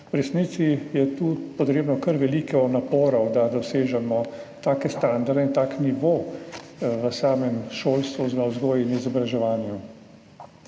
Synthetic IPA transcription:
wɾɛsniːt̪sijɛt̪uːpɔt̪ɾeːbnɔkəɾʋɛliːkɔnapoːɾɔwd̪ad̪ɔseːʒɛmɔt̪aːkɛst̪aːnd̪aɾd̪eint̪aːkniʋoː | ʋəsaːmɛmʃoːlst̪ʋuznɔwzɡoːjinizɔbɾaʒɛʋaːnju

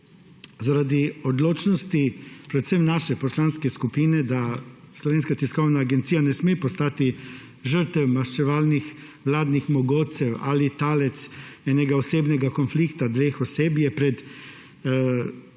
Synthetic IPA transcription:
zaɾad̪iɔd̪loːt͡ʃnɔst̪ipɾɛt̪semnaːʃɛpɔslaːnskɛskupiːnɛd̪a | slɔʋeːnskat̪iskɔwnaːɡɛnt̪sijanɛsmepɔst̪aːt̪i | ʒəɾt̪ɛwmaʃt͡ʃɛʋaːlnix | ʋlaːd̪nixmɔɡoːt̪sɛwalit̪aːlɛt̪sɛnɛɡaɔseːbnɛɡakɔnflikt̪ad̪ʋeːxɔseːbjɛpɾɛt̪

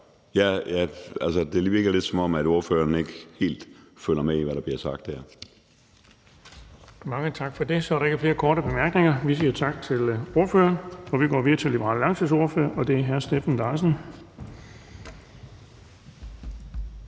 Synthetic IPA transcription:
jæjæælsəd̥e̝ɐʋʋiɐɡ̥læle̝d̥sɒ̽mɒ̽mæd̥o̝ɐfø̰ːɐne̝ɡ̥əhe̝̰ːld̥føl̰ɐmeiʋæɾɑ̈b̥liɐsɑ̈ɡ̥̚d̥hæɐ̰ | mɑ̈ŋət͡sʰɑ̈ɡ̥fɒ̽d̥e̝sɒɐɾɑe̝ɡəfle̝ːɐkʰɒːɾəb̥e̝mæɐɡ̥ne̝ŋɐʋisiːɐt͡sʰɑ̈ɡ̥̚t͡sʰe̝lo̝ɐføːɐnɒ̽ʋiɡ̥ɒ̰ːʋiðɐt͡sʰe̝lːibəʁɑ̰llɑ̈ŋsʰs̬o̝ɐfø̰ːɐʔɒ̽d̥e̝æɐɦæɐsd̥efæn̩d̥ɑ̈ɪsən̩

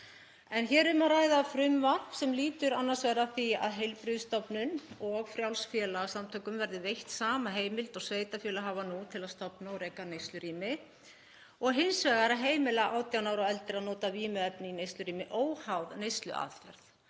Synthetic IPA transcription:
ɛnçɛːɾʏmarajðafɾʏmvḁsɛmliːt̪ʏɾanːasvɛːɾaθia̰ðɦejlpɾʏðst̪ɔpnʏnɔɣfɾjawlsfjɛːlasamt̪ʰœːkʏmvɛɾðɪvejht̪saːmaɦeːjmɪlt̪ɔɣsveːjt̪afjɛːlaɦaːvanut̪ʰɪlaðst̪ɔpnaɔwɾejkanejst̪lʏɾiːmɪ | ɔɣɦɪnsvɛːɣaɾaðɦeːjmɪlaʔaːwt̪janaːwɾɔɛlt̪ɪɾaðnɔːt̪aviːmʏɛpnɪinejst̪lʏɾiːmɪʔoːwhawðnejst̪lʏ̰ʔa̰ðfɛ̰ɾ̥θ

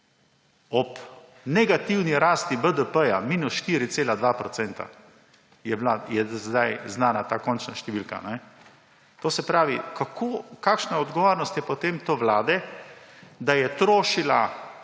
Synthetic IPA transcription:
ɔp | nɛɡat̪iwniɾaːst̪ibəd̪əpəjamiːnusʃt̪iːɾit̪seːlad̪ʋaːpɾɔtsɛnt̪a̰ | jɛblajɛzd̪ajznaːnat̪aːkɔnt͡ʃnaʃt̪ɛʋilka̰nɛ | t̪oːsɛpɾaːʋikakʰoːkaːkʃnaɔd̪ɡɔʋoːɾnɔst̪jɛpɔt̪emt̪oːʋlaːd̪ɛ | d̪ajɛt̪ɾoːʃila

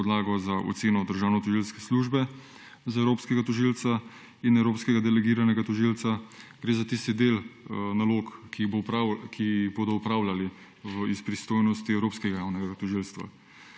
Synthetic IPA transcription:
ɔd̪laːɡɔzaʔo̰t̪seːnɔd̪əɾʒaːwnɔt̪ɔʒilskɛsluːʒbɛ | zaɛwɾoːpskɛɡat̪ɔʒilt̪sa | inɛwɾoːpskɛɡad̪ɛlɛɡiːɾanɛɡat̪ɔʒilt̪saɡ̥ɾeːzat̪ist̪id̪eːlnalokːibkʰiboːd̪ɔupɾaːwlali | ʋəispɾist̪oːjnɔst̪iɛwɾoːpskɛɡajawnɛɡɡat̪ɔʒilst̪ʋa̰

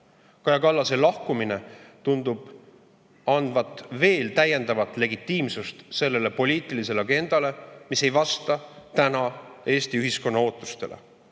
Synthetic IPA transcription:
kɑjɑkɑlːɑse̞lɑhkuminet̪und̪̥ub̥ | ɑnd̪vɑt̪ˑːve̞ːlt̪æje̞nd̪ɑvɑt̪ˑle̞ɡit̪ˑːiːmsust̪se̞lːe̞le̞po̞lʲiːt̪ˑilis̬e̞leɑɡe̞nd̪̥ɑle̞mise̞jvɑst̪ɑt̪ænɑe̞ːst̪iyɦisko̞nːɑo̞ːt̪ːˑu̥st̪e̞̰lʔḛ

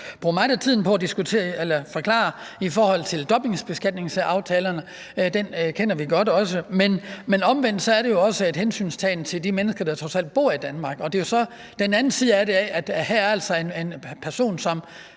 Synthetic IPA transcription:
b̥ʁṵːɐmɑ̈ɪdæt͡sʰið̰ˠn̩pʰɒ̽æd̥isɡ̥ut͡sʰe̝̰ːɐelɐfɒ̽kʰlɑ̰̈ːifɒːhɒ̽l̰t͡sʰe̝ld̥ɒ̽b̥e̝ŋsb̥e̝sɡ̥æd̥̚ne̝ŋsɑ̈ʊt͡sʰɛːlɐnə | d̥enkʰen̰ɐʋiɡ̥ɒ̽d̥ɒ̽səmenmenɒ̽mʋen̰d̥sɒ̽æɐɾe̝jo̝ɒ̽səe̝d̥hensy̰ːnst͡sʰɛːn̩t͡sʰe̝ldimenəsɡ̥ɐd̥ɑ̈t͡sʰʁɒ̽sæl̰d̥̚b̥o̝ɐ̰id̥ænmɑ̈ːɡ̥ɒ̽d̥e̝jo̝sɒ̽ | d̥enænn̩sʰiðˠæɐɾe̝æʔæd̥hæɐɐæl̰sɒ̽e̝nenpʰæɐso̝̰ːnsɒ̽m

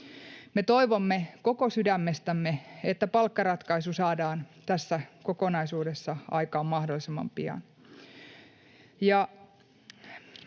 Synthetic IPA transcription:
me̞t̪o̞iʋomːeko̞ko̞sydæmːe̞st̪æmːeet̪ːæpɑlkːɑɾɑt̪kɑisusɑːdɑːnt̪æsːæko̞ko̞nɑisuːde̞sːɑɑ̰jkɑːmmɑhdolːˑisemːɑ̰mpiɑ̰n | jɑ

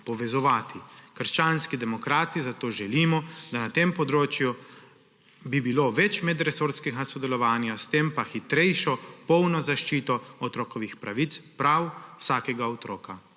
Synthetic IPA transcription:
pɔʋɛzɔʋaːt̪ʰikəɾʃt͡ʃaːnskid̪ɛmɔkɾaːt̪izat̪oːʒɛliːmɔd̪anat̪empɔd̪ɾoːt͡ʃju | bibiloːʋɛt͡ʃmɛd̪ɾɛsoɾskɛɡasɔd̪ɛlɔʋaːnjast̪eːmpaxit̪ɾɛjʃɔpɔwnɔzaʃt͡ʃiːt̪ɔɔt̪ɾɔːkɔʋixpɾaʋit̪spɾawwsaːkɛɡaɔt̪ɾoːka

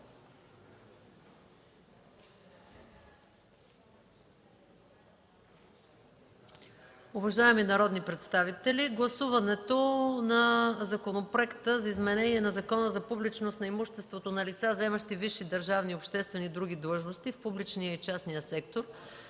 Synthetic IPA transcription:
ovɐʒaɛminɐɾɔd̪nipɾɛt̪st̪avit̪ɛliɡlˠɐsuvɐnɛt̪onɐzɐkonopɾoɛkt̪əzɐizmɛnɛniɛnɐzɐkɔnəzɐpublit͡ʃnosnɐimuʃt̪ɛst̪vot̪onɐlit̪sazɛməʃt̪iviʃːid̪əɾʒavniopʃt̪ɛst̪vɛnid̪ɾuɡ̟id̪lˠɤʒnost̪ifpublit͡ʃnijəit͡ʃasnijəsɛkt̪oɾ

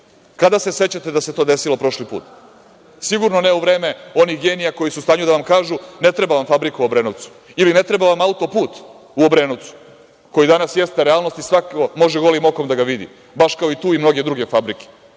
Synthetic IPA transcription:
kad̪ase̞se̞t͡ɕat̪ed̪aset̪o̞d̪e̞silo̞pɾo̞ʃlipṵːt̪ | siɡuɾnoneuʋɾeːme̞o̞nixɡe̞ːnijako̞jisust̪aːɲud̪aʋamkaːʒune̞t̪ɾe̞baʋamfabɾikuobɾeːnoʋt̪su̥ | iline̞t̪ɾe̞baʋamaut̪o̞puːt̪ | uobɾe̞ːnot̪su̥ | ko̞jid̪anasjest̪eɾeaːlˠno̞st̪isʋakomo̞ʒeɡo̞limo̞ko̞md̪aɡaʋid̪ḭ | baʃkaoit̪uːimno̞ɡe̞d̪ɾuɡe̞fabɾike̥

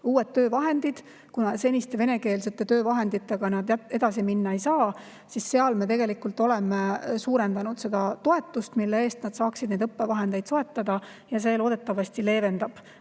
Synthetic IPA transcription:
uːe̞t̪ːø̞ːvɑɦe̞nd̪̥id̪̥ | kunɑse̞nʲist̪eve̞ne̞ke̞ːlse̞t̪ːˑe̞t̪ø̞ːvɑɦe̞nd̪̥it̪ːˑe̞ɡ̥ɑnɑd̪e̞d̪ɑsiminːɑe̞jsɑː | sisːeɑlme̞t̪e̞ɡe̞likult̪ˑo̞le̞mesuːɾe̞nd̪ɑnud̪̥se̞d̪̥ɑt̪o̞e̞t̪ːˑust̪milːe̞e̞ːst̪nɑd̪̥sɑːksid̪ne̞jd̪ɤpːevɑɦe̞nd̪̥e̞jd̪so̞et̪ːˑɑd̪̥ɑ | jɑse̞ːlo̞ːd̪e̞t̪ːˑɑvɑst̪ile̞ːve̞nd̪̥ɑb̥

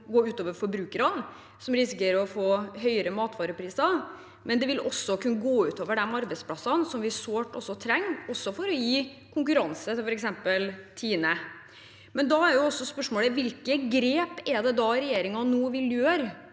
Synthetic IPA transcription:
ɡoːʉːt̪oːʋəɾfɔɾbɾʉːkəɾɑn | sɔmɾɪsɪkəɾɔfoːɦœʏəɾəmɑːt̪ʋɑːɾəpʰɾiːsɑ | mɛnd̪ɛʋɪlɔsːɔkʰʉnːəɡoːʉːt̪oːʋəɖɛmɑɾbɛɪt̪spʰlɑsɑnsɔmʋɪsoːʈːɔsːɔt̪ʰɾɛŋːɔsːɔfɔɾɔjiː | kʰʊŋkʉɾɑnsət̪ɪfɔɾɛksɛmpəlt̪ʰiːnə | mɛnd̪ɑæɾjʊɔsːɔspœʂmoːləʋɪlkəɡɾeːpɛd̪ɛd̪ɑɾɛjeːɾɪŋɑnuːʋɪljøːɾ

